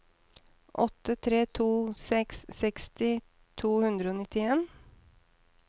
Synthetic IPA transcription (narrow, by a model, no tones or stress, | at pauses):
ʔɔt̪ːət̪ʰɾeːt̪ʰuːsɛksːɛkst̪ɪ | t̪ʰuːhʉnd̪ɾəoːnɪt̪ɪeːn